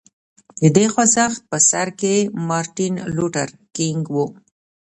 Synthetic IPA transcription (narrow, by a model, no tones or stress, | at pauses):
d̪əd̪exazaxt̪̚pəsaɾkemɑɾʈinluʈaɾ | kɪŋɡwu